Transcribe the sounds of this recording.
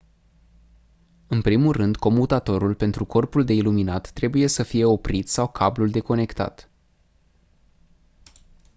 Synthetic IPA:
ɨnpɾimulrɨnd̪ko̞mut̪at̪o̞ɾulpe̞nt̪ɾuko̞rpuld̪e̞iluminat̪ːɾe̞buje̞səfije̞o̞pɾit̪sawkʰabluld̪e̞ko̞ne̞kt̪a̰t̪

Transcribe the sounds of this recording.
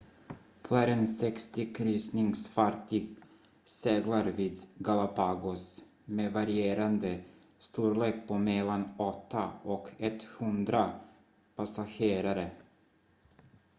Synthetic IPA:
fʰlæːɾɛnsɛkst̪ɪkʰɾyːsnɪŋsfaʈːɪɡ | seːɡlaɾviːd̪ɡalapʰaɡʊs | meːvaɾɪeːɾand̪ə | st̪uːɾleːk̚pʰomɛlːanɔt̪ʰːaɔkʰɛt̪ːhɵnd̪ɾa | pasaɧeːɾaɾə

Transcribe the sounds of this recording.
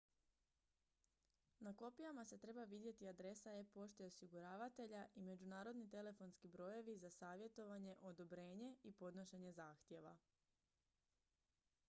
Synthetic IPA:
nako̞pijamase̞t̪ɾe̞baʋid̪je̞t̪iad̪ɾe̞saepo̞ʃt̪eeosiɡuɾaːʋat̪e̞ʎaʔime̞d͡ʒunaːɾo̞d̪nit̪e̞le̞fo̞nskibɾo̞je̞ʋizasaːʋje̞t̪o̞ʋaɲe̞ʔo̞d̪o̞bɾe̞ːɲe̞ipo̞d̪no̞ʃe̞ɲe̞zaːxt̪je̞ʋa̰

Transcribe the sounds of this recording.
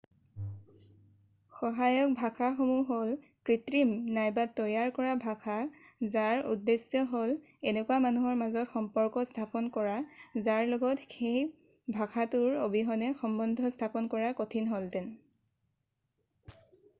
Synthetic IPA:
xɔɦajɔk̚bʱakʰaxomuɦol | kɹitɹimnajbatːɔjaɹkɔɹabʱakʰa | zaɹṵdːesjɔɦol | enɛkwamanuɦɔɹmazɔtxɔmpɔɹkɔstʰapɔnkɔɹazaɹlɔɡɔtxej | bʱakʰatʊɹobiɦɔnɛxɔmbɔndʱɔstʰapɔnkɔɹakotʰinɦoltɛn

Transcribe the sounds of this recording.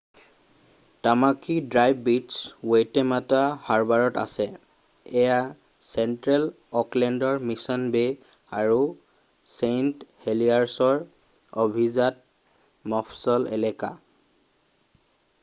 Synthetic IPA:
tamakidɹajbːiswejtɛmatahaɹbaɹɔta̰sɛ | ɛja | sɛntɹɛl | ɔklɛndɔɹmisɔnbe | aɹu | sentheliaɹsɔɹ | obʱizat̚ | mɔfʰsɔlɛ̰lɛka̰

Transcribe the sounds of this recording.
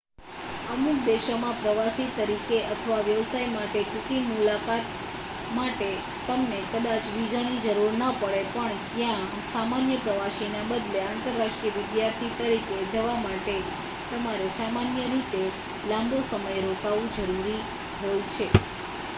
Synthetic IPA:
əmuk̚d̪eʃomãpɾəʋasit̪əɾikeʔət̪ʰəʋaʋjəʋsaimaʈeʈukimulakat̪ | maʈe | t̪ːəmnekəd̪at͡ʃbid͡ʒanid͡ʒəɾuɾnəpəɭepəɳt̪jã | samanjəpɾəʋaʃinabəd̪leant̪əɾːaʃʈɾijəʋɪd̪jaɾt̪ʰit̪əɾiked͡ʒəʋamaʈe | t̪əmaɾesamanjəɾit̪e | lãmbosəməjɾokaʋũd͡ʒəɾuɾi | ɦəjut͡ʃʰe

